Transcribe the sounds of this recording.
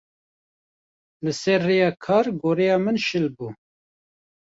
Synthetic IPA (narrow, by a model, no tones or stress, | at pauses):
lɨsɛɾːejɑːkʰɑːɾɡoːɾɛjɑːmɨnʃɪlbuː